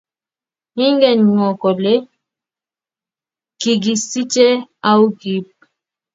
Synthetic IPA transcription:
hi˦ŋɡɛ˨nŋɔ˨kɔ˨le˦ | ki˨ɡi˨si˦t͡ʃɛ˦a˦wɡi˦p̚

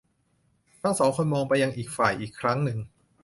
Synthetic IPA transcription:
t̪ʰa˥˩ŋsɔː˩˦ŋkʰo˧nmɔː˧ŋpa˧jːa˧ŋʔiː˨˩k̚faː˨˩jʔiː˨˩kʰɾa˦˥ŋnɯ˧ŋ

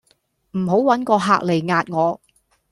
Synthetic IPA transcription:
m̩˨˩ɦo˨˥wwɐ˨˥nkɔː˧ɦaː˧k̚le˨˩jŋaː˨˧t̚ŋɔː˨˧

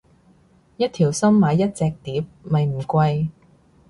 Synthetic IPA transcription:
jɐ˥t̪̚ʰiː˨˩wsɐ˥mːaː˨˧jːɐ˥t̚t͡sɛː˧k̚t̪iː˨˥p̚mɐ˨jm̩˨˩kʷɐ˧j

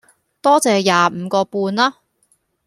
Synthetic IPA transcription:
t̪ɔː˥t͡sɛː˨jaː˨˩m̩ː˨˧kɔː˧puː˧nlaː˥

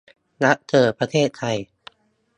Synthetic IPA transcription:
na˦˥ʔt̪ʰɤː˧˩pɾa˧t̪ʰeː˥˩t̪̚ʰːa˧j

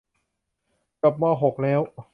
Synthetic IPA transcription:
ka˨˩p̚mɔː˧˩ɦo˨˩k̚lɛː˦˥w

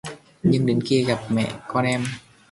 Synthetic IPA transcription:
ɲɯ˧ŋdi˨˩˦nki˧˩əka˨˩p̚mɛ̰˧˨kɔː˧nɛ˧m

